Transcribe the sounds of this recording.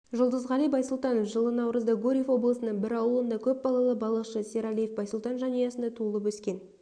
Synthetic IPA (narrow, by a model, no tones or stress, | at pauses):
ʒʊlˠd̪əzʁɑlijbɑjsulˠt̪ɑnofʒəlˠənɑwɾəzd̪ɑɡoɾʲiefwo̞blˠəsənəɴbɪɾɑwlˠənd̪ɑkʲʰɵp̚bɑlˠɑlˠəbɑlˠəqʃəseɾalʲijefbɑjsəlˠt̪ɑnʒɑnɑjɑsənd̪ɑt̪ʰuəlˠəpwɵskʲe̞n